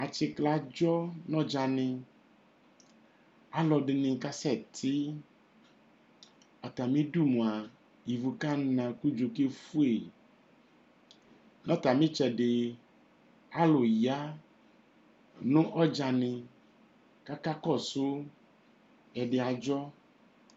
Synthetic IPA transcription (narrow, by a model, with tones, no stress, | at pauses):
a˨t͡ʃɪ˨kla˨d͡ʒɔ˦nɔ̃˦d͡ʒa˨nɪ̃˧ | a˦lɔ˨ɖɪ˨nɪ̃˨ka˦sɛ˦˨t̪ʰɪ˦ | ɔ˨t̪a˨mĩ˦du˦˨mũ˨a˨ | i˨vu˨ka˦˨nã˨ku˦d͡ʒo˨ke˦fu˦e˨ | nɔ̃˦ta˨mɪ̃˦t͡ʃɛ˨ɖɪ˨ | a˦lʊ˨ja˦ | nʊ̃˦ʔɔ˦d͡ʒa˨nɪ̃˨ | ka˦ka˦kɔ˦˨sʊ˦ | ɛ˨ɖɪ˨a˨d͡ʒɔ˦